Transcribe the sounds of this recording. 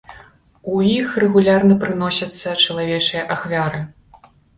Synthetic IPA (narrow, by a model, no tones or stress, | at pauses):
ujixrɛɣulʲarnɐpɾɨn̪ɔsʲɐt̪sːɐt͡ʂɐlˠavʲɛt͡ʂɨjɐʔaxvʲaɾɨ